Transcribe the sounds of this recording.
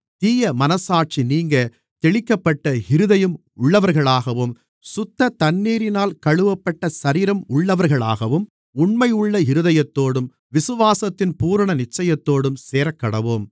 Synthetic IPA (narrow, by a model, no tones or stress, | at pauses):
t̪iːjɐmɐnɐsaːʈ̚t͡ʃiniːŋɡɐ | t̪ɛɭɪkːɐpːɐʈːɐɪɾɯðɐjɯm | ʊɭːɐʋɐɾɣɐɭaːɣɐʋɯm | sʊt̪ːɐt̪ɐnːiːɾɪnaːlkɐɻɯʋɐpːɐʈːɐsɐɾiːɾɐmʊɭːɐʋɐɾɣɐɭa̰ːɣɐʋɯm | ʊɳmɐjɯɭːɐɪɾɯðɐjɐt̪ːoːɽɯm | ʋɪsɯʋaːsɐt̪ːɪnpuːɾɐɳɐnɪt͡ʃːɐjɐt̪ːoːɽɯmseːɾɐkːɐɽɐʋoːm